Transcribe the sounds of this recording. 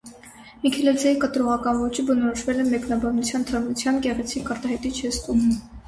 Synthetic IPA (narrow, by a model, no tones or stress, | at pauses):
mikʰɛlɛzjɑjikət̪ɾɔʁɑkɑnvɔt͡ʃʰibənɔɾɔʃvɛlɛmɛknɑbɑnut͡sʰjɑnt̪ʰəɾmut͡sʰjɑnkɛʁɛt͡sʰikɑɾt̪ɑɦɛt̪it͡ʃʰhɛst̪um